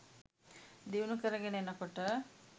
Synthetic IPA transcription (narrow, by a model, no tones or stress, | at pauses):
d̪iwnukəɾɐɡenenɐkoʈə